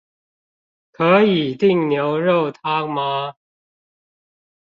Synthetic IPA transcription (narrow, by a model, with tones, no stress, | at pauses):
kʰɤ˧˥i˨˩t̪i˥˩ŋnjo˧˥ʊɻo˥˨ʊt̪ʰa˥ma˧˦